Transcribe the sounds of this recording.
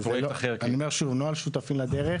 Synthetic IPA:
zpjelktaχeʁaniomeʁʃuvnoalʃut̪afimlad̪eʁe

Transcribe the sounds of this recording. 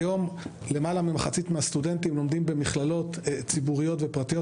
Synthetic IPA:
jo̞m | le̞malamimaχat͡sitmeast̪ude̞ntimlo̞md̪imbe̞miχlalo̞t̪t͡sibuʁijo̞tvepʁat̪ijo

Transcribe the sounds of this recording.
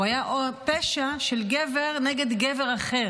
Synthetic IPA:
ajaʔopeʃaʃelɡeveʁneɡed̪ɡeveʁaχe

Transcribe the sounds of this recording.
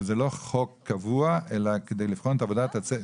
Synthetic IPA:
zeloχokːavuaʔelaked̪ejlifχonetavod̪at̪at͡se

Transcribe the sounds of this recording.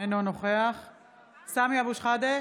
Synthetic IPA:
enonoχeaχ | samiabuʃχad̪e

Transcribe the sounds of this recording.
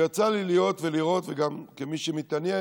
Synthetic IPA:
jat͡salilijo̞t̪veliʁo̞t̪veɡamkemiʃemit̪anje

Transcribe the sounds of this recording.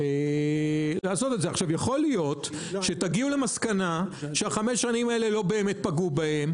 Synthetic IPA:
e | laːso̞t̪edzeaχʃavjaχo̞lijo̞t | ʃe̞t̪aɡiule̞maskanaʃeaχameʃːanimaele̞lo̞be̞ːmet̪̚paɡubahe̞m

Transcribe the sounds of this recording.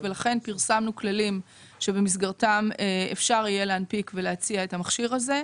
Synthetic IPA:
velaχe̞npiʁsamnuklalim | ʃe̞bemis̬ɡaʁtameefʃaʁije̞leanpikveleat͡siaethamaχʃiʁaze̞

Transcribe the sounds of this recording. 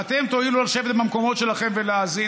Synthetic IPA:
at̪e̞mt̪oilulaʃevet̪mamko̞mo̞t̪ʃe̞laχe̞mveleazi

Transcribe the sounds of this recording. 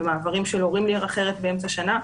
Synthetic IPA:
maːvaʁimʃeloʁimliʁaχe̞ʁet̪̚beemt͡saʃana

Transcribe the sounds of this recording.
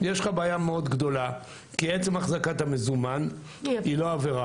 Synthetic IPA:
jeʃχabeːjameo̞d̪ɡd̪o̞la | kiet͡semaχzakat̪amezuman | ilo̞aveʁa

